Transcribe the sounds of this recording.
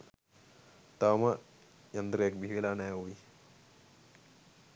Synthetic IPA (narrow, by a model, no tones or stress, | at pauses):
t̪amɐ | jɐnd̪ɾek̚bʱiʋilanajuʋi